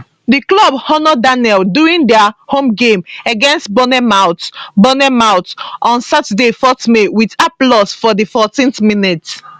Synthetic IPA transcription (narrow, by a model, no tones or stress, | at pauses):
diklɔbhɔnɔdanɛlduĩŋdɛhõmɡẽməɡɛ̃nst̚bɔnɛmaʊtbɔnɛmaʊtʔɔ̃nsatədefɔtmewidaplɔsfɔdifɔtĩnθminit